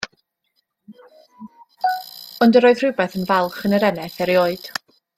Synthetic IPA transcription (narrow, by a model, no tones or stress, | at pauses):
ɔndəɾoːɨðr̥ɪwbɛθənvɛlˠχənəɾɛnɛθɛɾioːɨd̥